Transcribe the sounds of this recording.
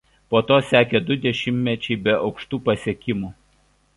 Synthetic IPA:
poːt̪oːsʲæːkʲed̪ʊd̪ʲɛʃʲɪmʲmʲɛt͡ʃʲɛɪbʲɛʔɒʊkʃt̪uːpɐsʲeɛkʲɪmuː

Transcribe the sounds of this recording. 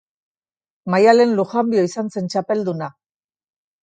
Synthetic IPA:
majale̞nluxambioisanse̞nt͡ʃape̞ld̪una

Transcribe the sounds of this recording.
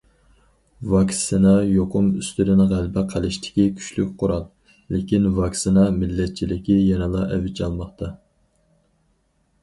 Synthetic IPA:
vɑksinɑjoqʰʊmyst̪yɾɪnʁælbɪqʰælˠɪʃt̪ʰɪ̥kʲikʲʰy̥ʃlykʲqʰʊɾɑlˠ | lɪkʲinvɑksinɑmɪlːɛt̪̚t͡ʃʰilɪkʲijɛnɨlˠɑʔɛvɪt͡ʃʰɑlˠmɑχt̪ʰɑ

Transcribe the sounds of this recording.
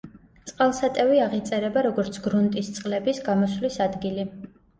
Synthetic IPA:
sʼqʼalˠsat̪ʼɛviaʁit̪sʼɛɾɛbaɾɔɡɔɾt̪sʰɡɾunt̪ʼist̪sʼqʼlɛbisɡamɔslisad̪ɡili

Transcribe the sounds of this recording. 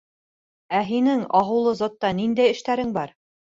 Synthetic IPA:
æɦinɘŋɑɦɤ̆wlˠɤzot̪ːɑnind̪æjɘ̆ʃt̪æɾɘŋbɑɾ

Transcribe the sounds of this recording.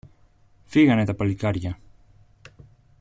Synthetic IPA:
fiɣɐne̞t̪ɐpɐlikɐɾʝɐ

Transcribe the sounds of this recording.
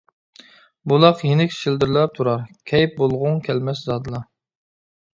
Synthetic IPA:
bulˠɑqjenɪkʲʃild̪ɪɾlˠɑp̚t̪ʰuɾɑɾkʲʰɛjp̚bolˠʁʊŋkʲʰɛlmɛszɑːd̪ɨlˠɑ

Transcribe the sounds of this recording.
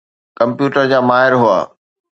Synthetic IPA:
kɐ̃mpjuːʈəɾd͡ʑaːmaːɦɪɾɦua̰ː

